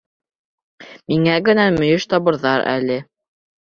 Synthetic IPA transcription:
miŋæɡɘ̆næmɵ̆jɵʃt̪ɑβɤ̆ɾðɑɾæ̰lɘ

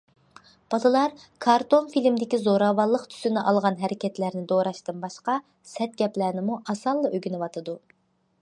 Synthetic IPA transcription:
b̥ɑlˠɨlˠɑɾkʰɑɾt̪onfilmd̪ɪkʲizoɾɑwɑlˠːəqt̪ʰy̥sɪnɪʔɑlˠʁɑnɦɛɾɪkʲɛt̪læɾnɪd̪oɾɑʃt̪ɨnbɑʃqɑ | sɛt̪̚ɡʲɛplæɾnɪmuʔɑsɑlˠːɨʔøɡʲinɪwɑt̪ʰɨd̪u

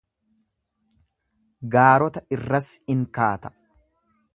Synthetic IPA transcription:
ɡaːɾɔt̪ɐɪrːɐsɪŋkaːt̪ɐ̥

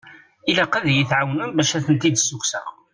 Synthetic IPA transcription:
ilæqæðjiθʕawnənbæʃæθənt̪id̪sːuksəʁ

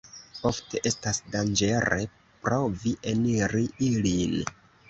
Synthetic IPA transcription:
o̞fte̞ʔe̞stasdand͡ʒe̞ɾe̞̰ | pɾoviʔeniɾiilin

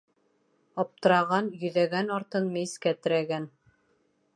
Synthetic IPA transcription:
ɒp̚t̪ɤ̆ɾɑʁɑnjɵ̆ðæɡænɑɾt̪ɤnmɘiskæt̪ɘ̆ɾæɡæn

